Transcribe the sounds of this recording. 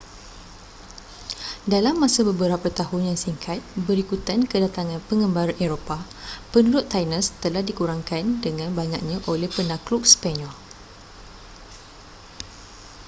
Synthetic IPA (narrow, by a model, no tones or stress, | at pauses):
dalamːãsabəbəɾapat̪aɦʊnjaŋsiŋkʰat̪̚bəɾikut̪ankədat̪aŋãnpəŋə̃mbaɾeɾopa | pənuɾʊt̪ːajnə̃st̪əlahdikuɾaŋkandəŋãnbaɲak̚ɲãʔolɛhpənãklup̚spaɲɔl